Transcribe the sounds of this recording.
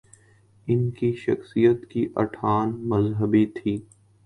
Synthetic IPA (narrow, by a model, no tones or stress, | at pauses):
ɪnkiʃɐ̰xsijət̪kiʔɐ̰ʈʰaːnmɐzɦəbit̪ʰiː